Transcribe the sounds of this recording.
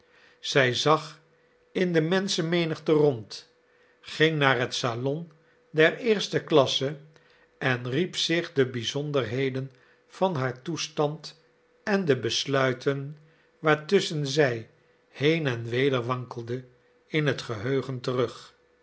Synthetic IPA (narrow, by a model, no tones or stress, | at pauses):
z̥ɛjzɑχ | ɪndəmɛnsəmejnəχtərɔnt | χɪŋnaːɹɦətsalɔn | dɛɹɪːɹstəklɑsə | ɛnripsɪχdəbizɔndərɦejdən | fɑnɦaːɹtustɑnt | ɛndəbəslœɥtʰən | ʋaːɹtɵsənzɛj | hejnɛnʋejdəɹʋɑŋkəl̩ˠdə | ɪnɦətχəɦøɥχəntərɵχ